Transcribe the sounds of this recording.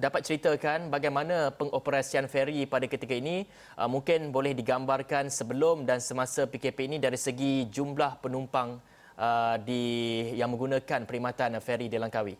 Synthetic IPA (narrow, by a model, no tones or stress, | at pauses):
dapat̪̚t͡ʃəɾit̪əkanbaɡajmãnãpəŋopəɾasianfeɾipadakət̪ikainĩ | ʔəmũŋkɪnbolɛhdiɡambarkansəbəlʊmdansəmasapikepeːnĩdaɾisəɡid͡ʒumblahpənumpaŋ | ədijaŋmə̃ŋɡunãkanpəɾimãt̪anfeɾidilaŋkawi